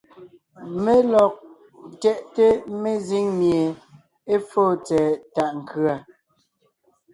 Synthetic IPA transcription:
me˦lɔ˨k̚ | tɛ˦˨ʔte˦me˦zi˦ŋmje˨ | e˦fo˦˨t͡sɛː˨ta˨ʔŋ̩˨kʰɰa˨

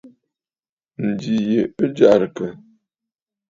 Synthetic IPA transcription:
n̩˨di˨je˨ə˦d͡ʒa˨ɾkə˨

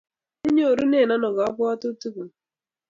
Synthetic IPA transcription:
i˦ɲo˦o˨ɾu˦ne˦˨na˦nɔ˨ɡɔ˨ɔ˦pʊ˦a˦tu˦tu˦ku˨

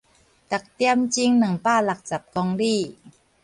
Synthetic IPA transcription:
t̪a˨˩k̚t̪i˧əmt͡ɕi˧˥ŋna˨˩˦ŋpaː˥˩la˨˩k̚sa˨˩p̚kɔː˧ŋɾiː˥˩

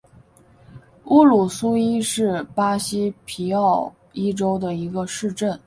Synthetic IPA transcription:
u˥lu˨˩su˥i˥ʂɻ̩˥˩pa˥ɕi˥pʰi˧˥ɑ˥˩ʊ | i˥ʈ͡ʂo˥ʊd̪ə˨i˧˥ɡə˧ʂɻ̩˥˧ʈ͡ʂə˥˩n

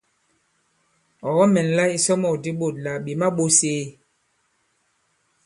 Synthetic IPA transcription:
ɔ˨ɣɔ˦mɛ˨n˨la˦i˦sɔ˦mɔ˨di˦ɓo˨t̚la˨ɓi˨ma˦ɓo˦seː˦

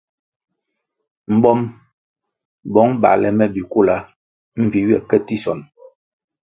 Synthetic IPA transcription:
m̩˨bɔ˦m | bɔ˨˦ŋba̰˨lɛ˨mɛ˦bi˨ku˦la˦ | m̩˦vi˨wjɛ˨kɛ˦ti˦sɔ˨n

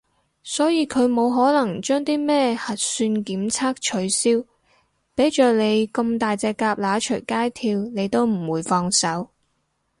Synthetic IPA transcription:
sɔː˨˥jiː˨˧kʰɵ˨˧ɥmo˨˧wɦɔː˨˥lɐ˨˩ŋt͡ʃœː˥ŋt̪iː˥mɛː˥hɐ˨t̚syː˧nkiː˨˥mt͡sʰaː˥k̚t͡ʃʰɵ˨˧ɥsiː˥w | pe˨˥jt͡ʃœː˨ne˨˧jkɐ˧mt̪aː˨jt͡sɛː˧kːaː˧p̚laː˨˥t͡ʃʰɵ˨˩jkaː˥jt̪ʰiː˧wne˨˧jt̪o˥wm̩˨˩wuː˨˧jfɔː˧ŋsɐ˨˥w

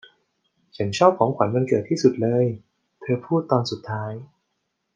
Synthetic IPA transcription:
t͡ɕʰa˦˥nt͡ɕʰɔː˥˩p̚kʰɔː˩˦ŋkʰwa˩˦nma˧nkɤː˨˩t̪ʰːiː˥˩su˨˩t̪̚lɤː˧j | t̪ʰɤː˧pʰuː˥˩t̪ːɔː˧nsu˨˩t̪ʰːaː˦˥j

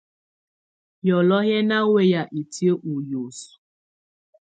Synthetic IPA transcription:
jɔ˨lɔ˦ɦɛ˦na˦we˦ja˨ʔi˨ti˦e˦ʔu˨jo˨su̥˨

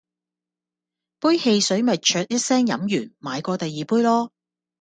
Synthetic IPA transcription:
puː˥jhe˧jsɵ˨˥ɥmɐ˨t̚t͡ʃʰœː˧t̚jɐ˥t̚sɛː˥ŋjɐ̰˨˥mjyː˨˩nmaː˨˧jkɔː˧t̪ɐ˨jːiː˨puː˥jlɔː˥

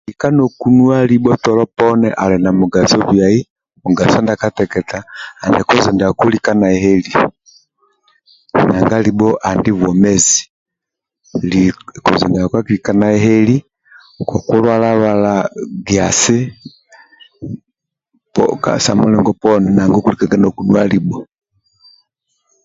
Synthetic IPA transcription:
i˨ka˦nɔ˨kunu˦a˦li˦ɓɔ˦tɔ˨lɔ˦pɔnɛ̰ʔa˨lɛna˨muɡa˨sɔ˦βja˨i˦ | mu˨ɡa˨sɔ˦nda˨ka˦tɛ˨kɛ˨taː˨ndɛ˨kɔ˦zɛ˨nda˨ku˦lika˦na˨ɛhɛ˦li˨ | naŋɡa˦libɔ˦ʔa˨ndi˦vɔ˨mɛ˦zi | likɔ˨zɛ˨ndaakwa˦kilikanaɛɦɛ˦li˦ | kwa˨ku˦lwalalwalaɡiasi˦ | pɔ̰ka̰sa̰mulɛŋɡɔpɔnɛna˨ŋɡɔ˦kulikaɡa˦nɔku˨nwalibɔ

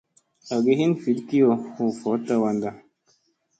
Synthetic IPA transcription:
a˨ɡe˨˦ɦi˦nfi˨˦lki˦ɔ˨hu˨fɔ˨˦ta˦wa˧nda˦

